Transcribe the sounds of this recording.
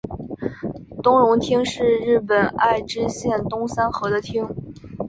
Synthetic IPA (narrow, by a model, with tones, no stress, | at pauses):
t̪ʊ˥ŋɻʊ˧˥ŋt̪ʰi˥ŋʂɻ̩˥˧ɻɻ̩˥˩pə˨˩na˥˩ɪʈ͡ʂɻ̩˥ɕjɛ˥˩nt̪ʊ˥ŋsa˥nxɤ˧˥d̪ə˧t̪ʰi˥ŋ